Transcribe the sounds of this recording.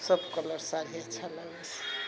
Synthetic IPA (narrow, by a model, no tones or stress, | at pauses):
səbkələɾsaɾijat͡ʃʰalənəs